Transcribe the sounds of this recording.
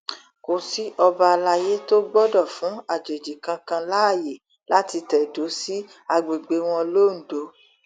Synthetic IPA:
ko˨si˦ɔ˧ba˧la˧je˦to˦ɡ͡bɔ˦dɔ˦˨fũ˨˦a˦˨d͡ʒe˨d͡ʒi˨kã˧kã˧la˦˨je˨ | la˦ti˧tɛ˨do˨˦si˦ | a˧ɡ͡be˨ɡ͡be˧w̃ɔ̃˧lo˦n̩˨do˨˦

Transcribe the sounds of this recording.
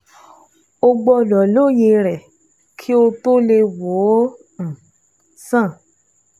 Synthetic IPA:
o˧ɡ͡bɔ˧˨lɔ˨lo˦˨ji˧ɾɛ˨ | kʰi˦o˧to˦le˧wõ˨˦˨ | sã˦˨

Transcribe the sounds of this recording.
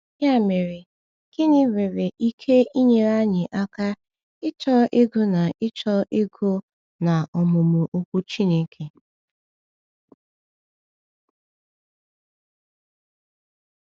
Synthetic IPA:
ɲa˦˨me˨ɾɪ˨ | ɡ̥ɪ˦nɪ˦we˨ɾe˨ʔi˦kʰe˦ʔi˦ɲe˦ɾa˦ɲɪ˨ʔa˦ka˦ | ɪ˦t͡ʃɔ˦ʔɪ˦ɡʊ˦na˨ʔɪ˦t͡ʃɔ˦ʔɪ˦ɡʊ˦ | na˨ɔ˨mʊ˨mʊ˨ʔo˦kʷu˦t͡ʃi˦ne˦kʰe˨

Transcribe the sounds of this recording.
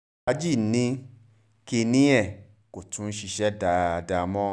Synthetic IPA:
a˦d͡ʒi˦˨˦nĩ˦ | ke˧nĩ˦ɛ˦˨ | ko˨tũ˨˦n̩˦ʃi˧ʃɛ˦da˨˧a˧da˧mɔ̃˦

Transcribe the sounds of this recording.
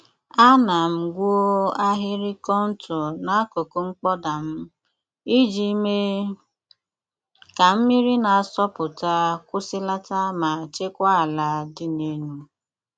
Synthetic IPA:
a˦na˨m̩˨ɡʷu˦o˦a˦ɦɪ˦ɾɪ˦kɔ˦n̩˦tʰʊ˨na˨a˦ko˨ko˦ŋ͡m̩˦k͡pɔ˦da˨m̩˦ | i˦d͡ʒi˨˦me˦ | ka˨m̩˦mi˦ɾi˦na˨a˦˨sɔ˦pʊ˨ta˦kʷʊ˦sɪ˦la˦ta˦ma˨t͡ʃe˦kʷa˦˨la˨dɪ˦ne˦nu˦

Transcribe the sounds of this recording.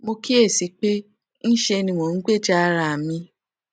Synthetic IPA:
mo˧ki˦e˦˨si˨˦k͡pe˦ | n̩˦ʃe˧nĩ˧wõ˨n̩˦ɡ͡be˦˨d͡ʒa˦˧ɾa˧˨mĩ˧

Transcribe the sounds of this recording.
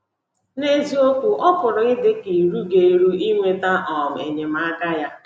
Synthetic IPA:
ne˦zi˦o˦kʊ˨ʔɔ˦pʊ˨ɾʊ˨ɣɪ˦dɪ˦ki˨ɾu˦ɡe˨i˨ɾu˦i˦ŋʷe˦ta˦ʔɔ˨m̩˨ḛ˨ɲe˨m̩˦a˦ɡa˦ja˦

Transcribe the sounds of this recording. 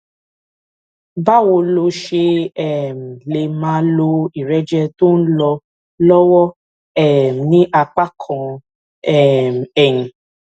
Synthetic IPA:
ba˦˨wo˧lo˧ʃe˧ɛ˦˨m̩˨le˨mãː˨˦lo˧i˨ɾɛ˦d͡ʒɛ˧to˦n̩˦lɔ˧ | lɔ˦wɔ˦ | ɛ˨nĩ˦ʔa˧k͡pa˦kʰɔ̃˨ | ɛ˦˨m̩˨ɛ˨ɲĩ˨

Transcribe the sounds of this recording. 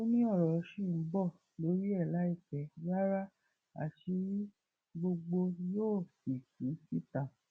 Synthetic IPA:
o˦nĩ˦ɔ˦˨ɾɔ˨˧˦ʃi˦˨˦bɔ˦˨ | lo˨˦ɾi˦ɛ˦˨la˨˦i˦˨kɛ˨ɡa˦ɾa˦ | a̰˨ti˧˦ | ɡ͡bo˧ɡ͡bo˧joː˦˨fi˨kɾi˨˦si˦ta˨

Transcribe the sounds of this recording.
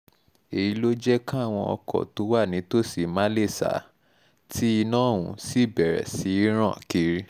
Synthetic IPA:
e˨ji˨˦lo˦d͡ʒɛ˦kã˦˨w̃ɔ̃˧ɔ˧kʰɔ̰˨to˨˦wa˦˨nĩ˨˦to˦si˨ma˦le˦˨sa̰˨˦ | tʰi˦i˧nã˦˨ũ˨si˦˨bɛ˨ɾɛ̰˨si˨˦i˦ɾ̃ã˦˨ki˧ɾi˦˧

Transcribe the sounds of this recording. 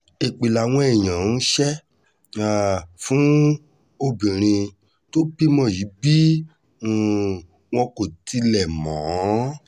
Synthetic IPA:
e˨k͡pi˨la˨w̃ɔ̃˧˦ɛ˦˨j̃ã˨˦n̩˦ʃɛ˦ | a˨fũ˨˦ | o˧bĩ˨ɾ̃ĩ˧ | to˦k͡pi˦mɔ̃˧˨ji˨˦bi˦˨ | w̃ɔ̃˧ko˨ti˧lɛ˨mɔ̃˨˦

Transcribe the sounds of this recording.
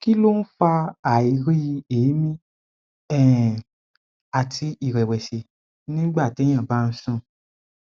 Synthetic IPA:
ki˦lo˦n̩˦fa˧a˨i˨ɾi˦˧eː˨˦mĩ˦ | ɛ˦˨ | a˨tʰi˧i˨ɾɛ˨wɛ˨ʃe˨ | nĩ˦ɡ͡ba˦˨te˨˦j̃ã˦˨ba˦˧n̩˦sũ˦˨

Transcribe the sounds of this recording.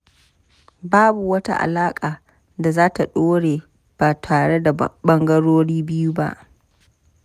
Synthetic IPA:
baː˦bu˨wɐ˦ta̰˦ʔa̰˨laː˦kʼaː˨ | da˨zaː˦ta˨ɗoː˦ɽeː˨ | b̥aː˨tʰaː˨ɽe˦da˨ɓɐ˦ŋɡɐ˦ɽoː˦ɽiː˦bɪ˦ju˦ba̰˦ʔ

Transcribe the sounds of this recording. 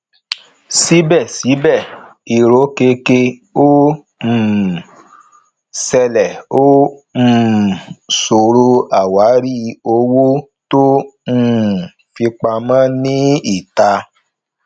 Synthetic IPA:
si˨˦bɛ˦˨si˨˦bɛ˦˨i˨ɾo˨˦ke˧ke˧o˦˨ | sɛ˧lɛ˨o˦˨ | so˨ɾo˧a˨wa˨˦ɾi˦˨o˧wo˦ | to˦˨ | fi˧k͡pa˧mã˦nĩ˦i˦˨ta˧

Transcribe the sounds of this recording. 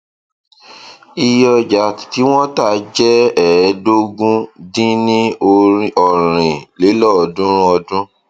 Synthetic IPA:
i˧jɔ˧d͡ʒa˨˦˨tti˨˦w̃ɔ̃˦ta˦˨d͡ʒɛ˦ɛ˨˦do˦ɡũ˦dĩ˦nĩ˦o˧ɾi˧˦ɔ˨ɾ̃ĩ˨le˨˦lɔ˦˨ɔ˧dũ˦ɾũ˦ɔ˧dũ˦

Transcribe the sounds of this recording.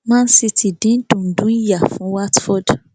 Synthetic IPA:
mã˦n̩˦si˧tʰi˨dĩ˨˦tũ˨n̩˨dũ˨˦n̩˦ja˨fũ˨˦wa˦tfɔ˦d

